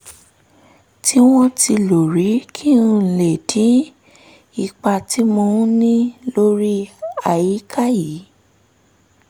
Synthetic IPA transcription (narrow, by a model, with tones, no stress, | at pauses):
tʰi˦w̃ɔ̃˦ti˧lo˨ɾi˨˦kʰĩ˦˧˨le˨dĩ˨˦ | i˦˧k͡pa˧ti˨˦mõ˧˦nĩ˦lo˦ɾi˦a˨ji˨˦kʰa˦ji˨˦